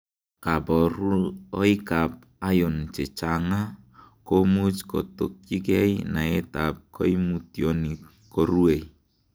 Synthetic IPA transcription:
ka˨bɔɾuɔ˦i˦kap̚a˦jo˨nt͡ʃɛ˨t͡ʃaŋa˦ | komu˦t͡ʃkɔ̰˨to˨k̚t͡ʃi˦kɛ˦jna˨ɛ˦tap̚kɔ˦imutjɔni | kɔɾu˦e˨j

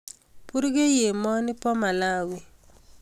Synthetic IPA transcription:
pu˦ɾɡe˦je˨mɔ˦nɪ˦pɔ˦ma˨la˦wi˨

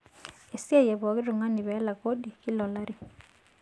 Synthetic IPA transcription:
e˨si˦e˦jɛ˨βɔ˨ɣi˦ɾu˨ŋa˦ni˨βɛ˨˦la˨ko˦ɗi˨ki˦lɔ˨la˦ɾi˦˨

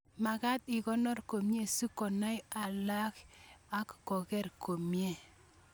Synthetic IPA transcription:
ma˨ka˦t̪ɪ˨kɔ˦nɔ˦rko˨mje˦su˦kɔ˨na˦ja˨la˦ka˦kːɔ˨kɛ˦rko˨mje˦˨

